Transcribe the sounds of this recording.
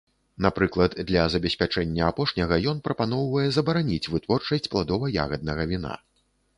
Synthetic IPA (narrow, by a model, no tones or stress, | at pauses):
napɾɨklˠɐt̪d̪lʲɐzɐbʲɛsʲpʲat͡ʂɛnʲːɐapɔʂnʲɐɣɐjɔnpɾɐpanɔwvɐjɛzɐbɐɾanʲit͡sʲvɨt̪vɔrt͡ʂɐsʲt͡sʲplˠad̪ɔvɐja̰ɣɐd̪̚nɐɣɐvʲina̰